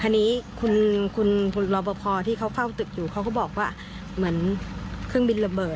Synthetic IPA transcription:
t̪ʰaː˧nːiː˦˥kʰu˧nkʰu˧nʰu˧lɔː˧bɔː˧pʰɔː˧t̪ʰiː˥˩kʰa˦˥wfa˥˩wt̪ɯ˨˩k̚juː˨˩kʰa˦˥wkɔː˥˩bɔː˨˩k̚waː˥˩ | mɯ˩˦ənkʰɯ˥˩əŋbi˧nla˧mbɤː˨˩t̪̚

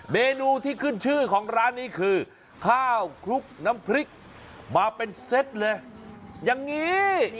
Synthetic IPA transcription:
meː˧nuː˧t̪ʰiː˥˩kʰɯ˥˩nt͡ɕʰɯː˥˩kʰɔː˩˦ŋɾaː˦˥nːiː˦˥kʰɯː˧ | kʰaː˥˩wkʰɾu˦˥k̚na˦˥mpʰɾi˦˥k̚ | maː˧pe˧nse˦˥t̪̚lɤː˧jja˨˧ŋːiː˦˥

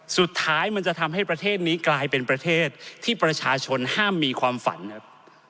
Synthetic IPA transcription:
su˨˩t̪ʰːaː˦˥jma˧nt͡ɕa˨˩t̪ʰa˧mɦa˥˩jpɾa˧t̪ʰeː˥˩t̪̚niː˦˥klaː˧jpe˧npɾa˧t̪ʰeː˥˩t̪̚ʰːiː˥˩pɾa˧t͡ɕʰaː˧t͡ɕʰo˧nhaː˥˩mːiː˧kʰwaː˧mfa̰˩˦nʰ˦p̚

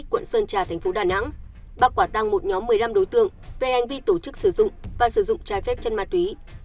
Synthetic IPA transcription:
kːwə̰˧˨nsəː˧nt͡ɕaː˨˩t̪ʰɛ˨˩jŋ̟fo˨˦ɗaː˨˩na̰˧˥ŋ | ɓaː˧˩kwaː˧˩t̪a˧ŋmo˨˩t̚ɲɔ˨˦mːɨ˨˩əjla˧mɗo˨˦jt̪ɨ̰˧˨əŋve˨˩ha˨˩jŋ̟vi˧t̪o˧˩t͡ɕɨ˦˥k̚sɨ˧˩zʊ̰˧˨ŋ͡mvaː˨˩sɨ˧˩zʊ̰˧˨ŋ͡mt͡ɕaː˧jfɛ˦˥p̚t͡ɕə˧nmaː˧˩t̪wi˨˦

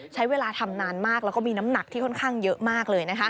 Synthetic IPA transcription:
t͡ɕʰa˦˥jweː˧laː˧t̪ʰa˧mnaː˧nmaː˥˩k̚lɛː˦˥wkɔː˥˩miː˧na˦˥mna˨˩k̚t̪ʰiː˥˩kʰɔ˥˩nkʰaː˥˩ŋjɤ˦˥ʔmaː˥˩k̚lɤː˧jna˦˥kʰa˦˥ʔ

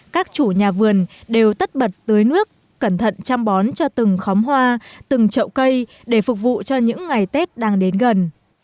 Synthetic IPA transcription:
kaː˦˥k̚t͡ɕu˧˩ɲaː˨˩vɨ˨˩ənɗe˨˩wt̪ə˦˥t̚ɓə˨˩t̚t̪ə˨˦jnɨ˦˥əkːə˧˩nt̪ʰə̰˧˨nt͡ɕa˧mɓɔ˨˦nt͡ɕɔ˧t̪ɨ˨˩ŋxɔ˨˦wmɦwaː˧t̪ɨ˨˩ŋt͡ɕə̰˧˨wkə˧j | ɗe˧˩fu˨˩k̚vṵ˧˨t͡ɕɔ˧ɲɨ̰˧˥ŋːa˨˩jt̪e˦˥t̚ɗaː˧ŋɗe˨˦nɣə˨˩n

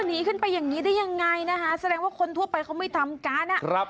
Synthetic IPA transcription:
a˥˩niː˦˥kʰɯ˥˩npa˧jːaː˨˩ŋniː˦˥da˥˩jːa˧ŋːa˧jna˦˥kʰa˦˥sa˧ɾɛː˧ŋwaː˥˩kʰo˧nt̪ʰu˥˩ɐpa˧jkʰa˦˥wma˥˩jt̪ʰa˧mkaː˧˥na˦˧˩ɾa˦˥

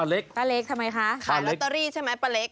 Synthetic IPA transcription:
a˧˩le˦˥k̚paː˧le˦˥k̚t̪ʰa˧ma˧jkʰa˦˥ʔkʰaː˧˩le˦˥tk̪ːa˧ɾiː˥˩t͡ɕʰa˥˩jma˦˥jpa˧˩le˦˥k̚

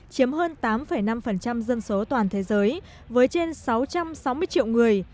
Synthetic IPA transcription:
t͡ɕi˨˦əmɦəː˧nt̪aː˨˦mfə˧˩jna˧mfə˨˩nt͡ɕa˧mzɨ˧nso˨˦t̪waː˨˩nt̪ʰe˨˦zəː˨˦j | vəː˨˦jt͡ɕe˧nsa˨˦wt͡ɕa˧msa˨˦wmɨ˧əjt͡ɕḭ˧˨wŋɨ˨˩əj

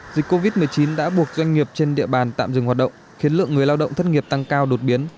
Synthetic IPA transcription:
zi˨˩k̟kːo˧vi˦˥t̚mɨ˨˩əjt͡ɕi˨˦nɗa̰ː˧˥ɓu˨˩ək̚zwa˧jŋ̟ŋi˨˩əp̚t͡ɕe˧nɗḭ˧əɓaː˨˩nt̪a̰ː˧˨mzɨ˨˩ŋhwa˨˩ɗə̰˧˨ŋ͡mxi˨˦ənlɨ̰˧˨əŋːɨ˨˩əjlaː˧wɗə̰˧˨wŋ͡mt̪ʰə˦˥t̚ŋi˨˩əp̚t̪a˧ŋkaː˧wɗo˨˩t̚ɓi˨˦ən

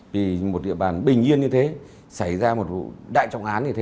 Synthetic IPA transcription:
vi˨˩mo˨˩t̚ɗḭ˧˨əɓaː˨˩nɓï˨˩ŋ̟ɲi˧ənɲɨ˧t̪ʰe˨˦ | sa˧˩jzaː˧mo˨˩t̚vṵ˧˨ɗa̰ː˧˨jt͡ɕa˧wŋ͡mʔaː˨˦nɲɨ˧t̪ʰ

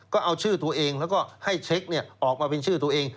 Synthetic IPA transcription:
kɔː˥˩ʔa˧wt͡ɕʰɯː˥˩t̪u˧ɐʔeː˧ŋlɛː˦˥wkɔː˥˩ha˥˩jt͡ɕʰe˦˥k̚ni˥˩ɐʔɔː˨˩k̚maː˧pe˧nt͡ɕʰɯː˥˩t̪̬u˧ɐ˧ʔeː˧ŋ

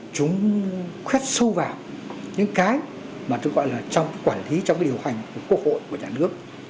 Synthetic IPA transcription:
t͡ɕʊ˨˦ŋ͡mxwɛ˦˥t̚sə˧wvaː˨˩w | ɲɨ̰˧˥ŋkaː˨˦j | maː˨˩t̪ɨ˦˥k̚ɣɔ̰˧˨jlaː˨˩t͡ɕɔ˧wŋ͡mkaː˨˦jkwaː˧˩nli˨˦t͡ɕŋ͡mka˨˦jɗi˨˩ə˩wha˨˩jŋ̟ku˧˩əku˦˥ək̚ho̰˧˨jku˧˩əɲaː˨˩nɨ˦˥ək̚

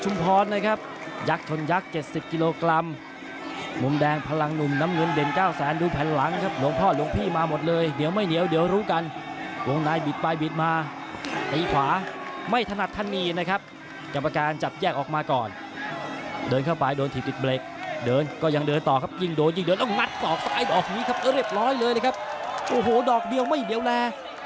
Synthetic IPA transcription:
t͡ɕʰu˧mpʰɔː˧˥nːa˦˥kʰa˦˥p̚ | ja˦˥k̚t͡ɕʰo˧nja˦˥k̚t͡ɕe˨˩t̪̚si˨˩p̚ki˧loː˧kɾa˧m | mu˨˧mdɛː˧ŋpʰa˧la˧ŋnu˨˩mna˦˥mŋɤ˧nde˨˩nkaː˥˩wsɛː˩˦nduː˧pʰɛː˨˦nla˩˦ŋkʰa˦˥p̚lu˧˦ŋpʰɔː˥˩lu˧˦əŋpʰiː˥˩maː˧mo˨˩t̪̚lɤː˧jni˩˦wma˥˩jni˨˦əwdi˨˦əwɾuː˦˥ka˧n | wo˧ŋnaː˧jbi˨˩t̪̚pa˧jbi˨˩t̪̚maː˧ | t̪iː˨˩˦kʰwaː˩˦ma˥˩jt̪ʰa˧na˨˩t̪ʰːa˧˥˩nːiː˧˩˧na˦˥˩kʰa˦˥p̚ | ka˨˩p̚ːa˧kaː˧nt͡ɕa˨˩p̚jɛː˥˩k̚ʔɔː˨˩k̚maː˧kɔː˨˩n | dɤː˧nkʰa˥˩wpa˧jdoː˧nt̪ʰiː˨˩i˨˩t̪̚bleː˨˩k̚dɤː˧nkɔː˥˩ja˧ŋdɤː˧nt̪ɔː˨˩kʰa˦˥p̚ji˥˩ŋdoː˧nji˥˩ŋdɤː˧nt̪ːɔ˥˩ŋŋa˦˥t̪̚sɔː˨˩k̚sa˧kaː˨˧˩jdɔː˨˩k̚niː˦˥kʰa˦˥p̚ʔɾi˥˩əp̚ɾɔː˦˥jlɤː˧jləː˧kʰa˦˥p̚ʔoː˨˩ɦoː˨˩dɔː˨˩k̚di˧əwma˥˩jni˨˦əwlɛː˧

